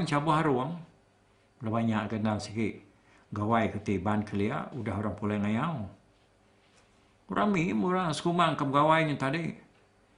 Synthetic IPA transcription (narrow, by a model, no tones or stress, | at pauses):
nt͡ʃabuɦaɾuəŋ | labaɲaʔɡənalsikiʔ | ɡawajkət̪ibankʰəlia̰ʔudaɦoɾaŋpulaŋajaw | uɾʔaŋmimuɾasə̥kumaŋkamɡawajŋət̪adi